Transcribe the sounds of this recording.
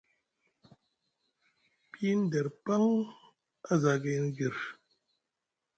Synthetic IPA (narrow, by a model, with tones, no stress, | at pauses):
pi˦n̩˦dɛ˨ɾpa˦ŋ | a˦za˨ɡe˦n˦ɡi˨ɾ